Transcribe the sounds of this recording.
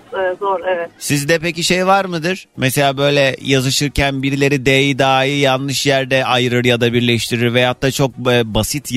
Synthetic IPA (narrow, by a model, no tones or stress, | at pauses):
ɛzoɾevɛt̪sizd̪ɛpeciʃe̞jvaɾmɯd̪ɯɾ̥meselʲaːbø̞jlʲɛjazɯʃɯɾcʰænbiɾlʲe̞ɾid̪eːjid̪aːijanˠɯʃjæɾd̪ɛʔajɾɯɾjad̪abiɾlʲɛʃt̪ʰiɾiɾvejat̪ːat͡ʃʰo̞k̚ːbasit̪ʰ